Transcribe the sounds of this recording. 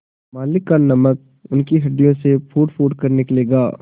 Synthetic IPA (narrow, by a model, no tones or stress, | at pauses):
maːlɪkːanɐmək̚ | ʊnkiɦɐɖijõsepʰuːʈpʰuːʈkɐɾnɪkleːɡaː